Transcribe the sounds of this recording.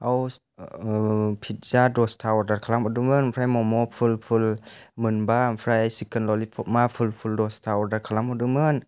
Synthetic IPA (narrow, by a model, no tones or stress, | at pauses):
ʔaw | pʰit̪̚zaːdost̪ʰawdat̪̚kʰalamʔɔdumɯnpʰɾajmɔmɔpʰulpʰulmɯnbaːnpʰɾajsikənlɔlipʰomafʰulpʰuldost̪ʰawdat̪̚kʰalamɔdumɯn